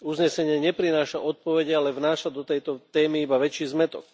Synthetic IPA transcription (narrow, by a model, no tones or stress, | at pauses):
uzɲɛsɛɲɪɛɲɛpɾinaːʃaʔɔt̪̚pɔʋɛɟɛalɛvnaːʃad̪ɔt̪ɛjt̪ɔt̪ɛːmiibaʋɛt͡ʃiːzmɛt̪ɔ̰k